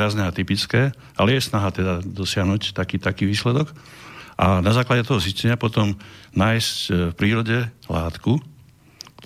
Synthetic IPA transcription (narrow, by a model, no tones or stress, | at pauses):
aznɛat̪ipit͡skɛː | ʔalɛjɛsnaɦat̪ɛd̪ad̪ɔsɪaɦnuːct̪akiːt̪akiːʋiːslɛd̪ɔk | ʔanazaːklaɟɛt̪ɔɦɔziscɛɲɪapɔt̪ɔmnaːjscfpɾiːɾɔɟɛlaːt̪ku | t̪